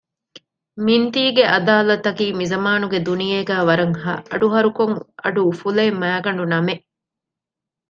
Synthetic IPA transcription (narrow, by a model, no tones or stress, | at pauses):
mint̪iːɡeʔɐd̪aːlɐt̪ɐkiːmizɐmaːnuɡed̪unijeːɡæːʋɐɾɐŋɦɐ̰ʔɐ̰ɖuɦɐɾukoŋʔɐɖuːfuleːmːæːɡɐɳɖunɐmeʔ